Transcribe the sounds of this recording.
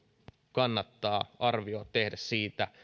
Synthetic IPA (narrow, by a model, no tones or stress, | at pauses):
kɑnːɑt̪ːɑːɑrʋioːtt̪ehdæssiːt̪æ